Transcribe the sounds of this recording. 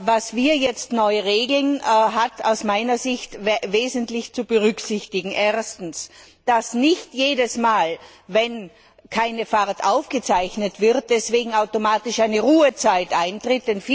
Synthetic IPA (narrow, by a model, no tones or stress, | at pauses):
vasv̥iːɐjɛt͡stnɔʏəʁeːɡl̩nɦatʰa̰ʊsmaɪnɐzɪçtveːzəntlɪçt͡subəʁʏksɪçtɪɡŋ̩ʔeːɐstn̩s | d̥asnɪçtjeːdəsmaːl | vɛn | kʰaɪnəfaʁtʔaʊfɡ̥ət͡saɪçnətv̥ɪʁt̚d̥ɛsv̥eːɡŋ̩aʊtomaːtɪʃaɪnəʁuːət͡saɪtʔaɪntʁɪt̚d̥ɛnfiː